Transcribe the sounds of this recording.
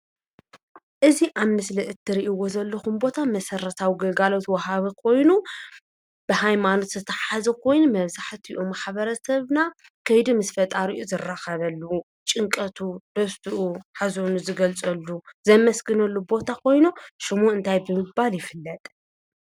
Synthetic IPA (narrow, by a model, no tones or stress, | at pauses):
ʔɨziʔaβmɨslɨʔɨt̪ʰːɨɾiʔiwo̞zɐlːɐxumbo̞t̪ʰamɐsɐɾɐt̪ʰawiɡɐlɡalo̞t̪wɐhaβikʰo̞jnu | b̥ɨhajmanot̪zɨt̪ʰɐħazɐkʰo̞jnumɐβzaħt̪ʰiʔomaħβɐɾɐsɐβna | kʰɐjd̪imɨsfɐt̪ʼaɾiʔuzɨrːaxɐβɐlːɐwu | t͡ʃʼɨŋkʼɐt̪ʰud̪̥ɐst̪ʰɨʔuħazonuzɨɡɐlt͡sʼɐlːuzɐmɐsɡɨnɐlːubo̞t̪ʰakʰo̞jnuʃɨmuɨnt̪ʰajbɨmɨbaljɪfɨlːɐt̪ʼ